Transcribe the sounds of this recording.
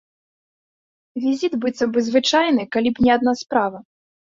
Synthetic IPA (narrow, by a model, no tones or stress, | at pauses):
vʲizʲit̪bɨt̪sɐbɨzvɨt͡ʂajnɨkalʲipnʲɛad̪naspɾavɐ